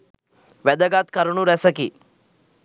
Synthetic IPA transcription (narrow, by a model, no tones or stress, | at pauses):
ʋɛd̪ɐɡaːt̪kɐɾuɳuɾɛsɐki